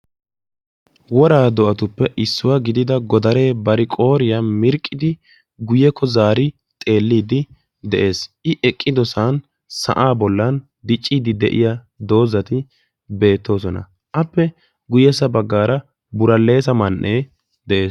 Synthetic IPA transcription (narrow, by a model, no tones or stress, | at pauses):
wɔɾaːd̪ɔʔɐt̪ʊpːɛʔɪsːʊwaɡɪd̪ɪd̪ɐɡɔd̪ɐɾe̞ːbɐɾɪkʼo̞ːɾɪjamɪɾkʼːɪd̪ɪ | ɡʊjɛkʰːɔzaːɾɪ | t̪ʼe̞ːlːiːd̪ɪ | d̪ɛʔe̞ːsʔɪʔɛkʼːɪd̪ɔsan | sɐ̰ʔaːbɔlːɐn | d̪ɪt͡ʃʼːiːd̪ɪd̪ɛ̰ʔɪ̰ja | d̪o̞ːzɐt̪ɪ | be̞ːt̪ːo̞ːsɔnɐ̰ | ʔɐpːɛ | ɡʊjɛsɐbɐɡːaːɾɐ | bʊɾɐlːe̞ːsɐmɐnʔeː | d̪ɛʔe̞ːs